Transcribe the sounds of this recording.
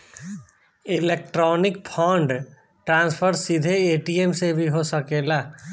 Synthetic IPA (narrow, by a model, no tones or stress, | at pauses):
ɪleːk̚ʈɾɔːnɪkpʰãːɳɖ | ʈɾãːnspʰəɾsid̪ʱeeːʈiːemsebʱiɦosəkeːlaː